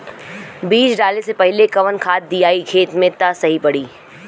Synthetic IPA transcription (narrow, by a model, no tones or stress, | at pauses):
biːsɖaːlesepɛɦlekɐʋənkʰaːt̪̚d̪ijaːikʰeːt̪mẽt̪asɐɦipɐɽiː